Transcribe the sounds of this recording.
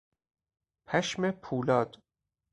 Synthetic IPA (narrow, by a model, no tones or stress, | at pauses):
pʰæʃmepʰuːlɒːd̪̥